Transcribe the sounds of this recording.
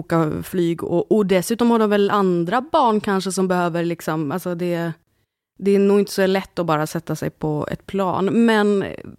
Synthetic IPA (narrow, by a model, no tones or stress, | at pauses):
kaflyːɡɔ̰ʔɔd̪ɛsʉ̟ːt̪ɔmhaɖɔmvɛland̪ɾabɑːɳkʰanʂəsɔmbɛhøːvəɾlɪksɔmalsɔd̪ɛ | d̪ɛːnuːɡɪnt̪ə̥sɔlɛt̪ːɔbɑːɾasɛt̪ːasɛ̰jpʰɔɛ̰t̪̚pʰlɑ̰ːnmɛn